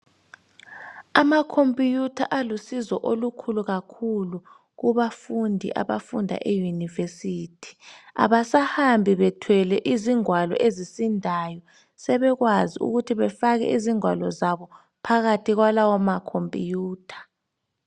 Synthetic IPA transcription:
amakʰompʼijutʰa̰ʔalusizɔʔolukʰuluɣakʰulu | ɣuβafundʱḭʔa̰βa̰fundʱa̰ʔejunivesitʰi̥a̰βasahambʱiβɛtʰwɛlɛʔiziŋwalɔ̰ʔezisindʱajɔ | sɛβɛɣwaziṵɣutʰiβɛfaɣɛ̰ʔiziŋwa̰lɔzaβɔ | pʰaɣatʰiɣwalawamakʰompʼḭjuːtʰḁ

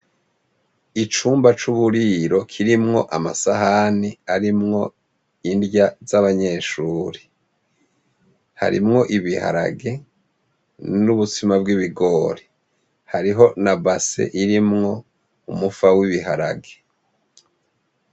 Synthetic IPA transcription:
it͡ʃuːmbat͡ʃuβuɾiɾo̞kʰiɾimŋoʔama̰saɦaniaɾimŋo̞ | indjazaβaɲe̞ːʃuːɾi | ha̰ɾḭmŋo̞ʔiβiha̰ɾa̰ɡe̞ | nuβut͡simabɡiβiɡo̞ːɾe | haɾiɦo̞nabasḛʔiɾimŋo̞ | umufawiβihaɾa̰ɡe

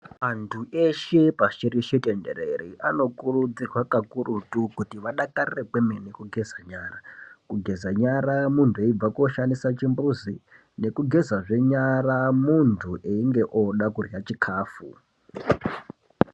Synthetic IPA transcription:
antʰuʔeʃe̞paʃiɾiʃetendḛɾeɾiʔano̞kurud͡zirwakakurutukutiʋaɗakarirekwemene̞kuɡʱe̞zaɲaːrakuɡʱe̞zaɲaɾamuntʰue̞ib͡vakoʃandisat͡ʃimbuzi | ne̞kuɡʱe̞zaʐe̞ɲaɾamuntʰuʔeiŋɡe̞ʔoɗakurjat͡ʃikʰaːfṵ

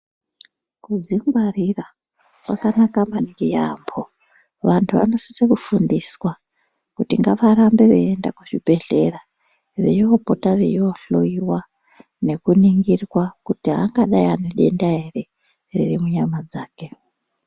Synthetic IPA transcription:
kud͡zimɡwarira | kwa̰kanakamaniɡija̰mbo̞ | ʋantʰuʋa̰no̞si̥sekufundiswa | kutiŋɡaʋaɾambe̞ʋeendakuʐibʱe̞ɮe̞ra | ʋḛjoopo̞taʋejoɬo̞̰iwa | ne̞kuniŋɡirwakutiɦa̰ŋɡaɗaianeɗe̞ndaere̞ | rḭrimuɲamad͡zaːke̞

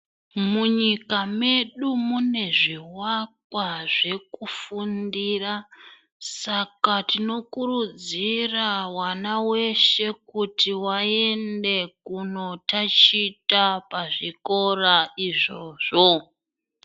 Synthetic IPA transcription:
muɲikame̞ɗumune̞ʐiwakwaʐe̞kufundira | sakatino̞kurud͡zirawanawe̞ʃe̞kutiwae̞nde̞kuno̞tat͡ʃitapaʐiko̞raiʐo̞ʐo

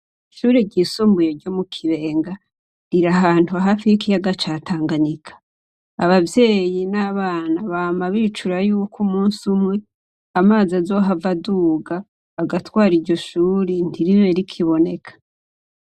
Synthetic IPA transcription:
iʃuːɾeɟisoːmbujeɾɟo̞mukʰiβe̞ːŋɡa | ɾiɾaɦaːntuaɦaːfihikijaɡat͡ʃaːtʰaːŋɡaɲikʰḁ | aβavje̞ːjinaβaːnaβaːmaβit͡ʃuɾajuːkʰumuːnsumŋe̞ | amaːzazo̞ːɦavaduːɡaː | ɡatwaːɾiɾɟo̞ʃuːɾen̥tiɾiɾeɾikʰiβo̞ne̞kʰḁ

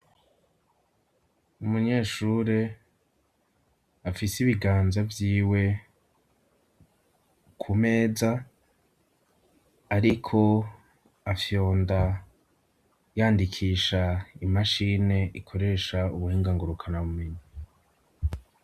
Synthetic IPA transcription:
umuɲe̞ːʃuːɾe | afisiβiɡaːnzavjiːwe̞ | kʰume̞ːza | ɾikʰo̞ | afjo̞ːnda | jaːndikʰiːʃaimaʃine̞ʔikʰo̞ɾe̞ːʃauβuhiːŋɡaŋɡuɾukʰanaβumeɲa

